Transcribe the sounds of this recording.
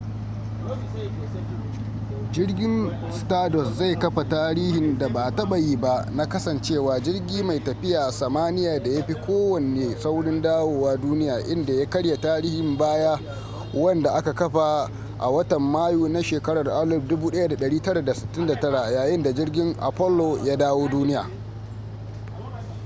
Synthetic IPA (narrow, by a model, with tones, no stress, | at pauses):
d͡ʒɪ˦rɡʲɪ˦n | staː˦dɔ˨sza˦˨jkɐ˦ɸa˨taː˦ɾiː˦hɪ˨nda˨ba˨tɐ˦ɓɐ˨jiː˦ba˦ʔna˦kɐ˦sɐ˨nt͡ʃeː˦˨waː˨d͡ʒɪ˦rɡʲiː˦ma˨jtɐ˨ɸɪ˦jaː˨ʔsɐ˨maː˦nɪ˦jaː˨da˨ja˦ɸi˦kʷoː˦wɐ˨neː˨sa˦wɽɪ˦ndaː˦woː˦waː˦duː˦nɪ˦jaː˨ʔɪ˦nda˨ja˦kɐ˦ɽja˨taː˦ɾiː˦hɪ˨mbaː˦ja˦ | wɐ˦nda˨ʔa˦ka˨kɐ˦ɸa˨ | ʔa̰˨wɐ˦tɐ˨mːaː˦juː˦na˦ʃeː˨kɐ˦ɽɐ˨rʔa˦lʊ˦p̚dʊ˦buː˦ɗɐ˦ja˦da˨ɗɐ˨ɽiː˦tɐ˦ɽa˨da˨sɪ̥˨tːɪ˦nda˨tɐ˦ɽa˨jaː˨jɪ˦nda˨d͡ʒɪ˦rɡʲɪ˦ŋʔa̰˨pɔ˦lːoː˨jaː˦daː˦woː˦duː˦nɪ˦ja̰ː˨